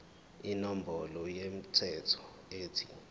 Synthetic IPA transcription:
inombʱɔlɔjem̩tʰɛtʰɔ̥ | eːtʰi̥

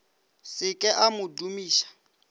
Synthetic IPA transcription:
sɪkʼɛʔamʊdumiːʃḁ

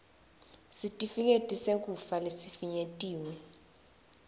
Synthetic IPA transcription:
sitʼifik̬ʼetʼisek̬ufalesifiɲetʼiːwɛ

